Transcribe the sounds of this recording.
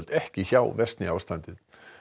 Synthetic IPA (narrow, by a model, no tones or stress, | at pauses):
l̥t̪ɛhcɪçawvɛst̪nɪaːwst̪ant̪ɪð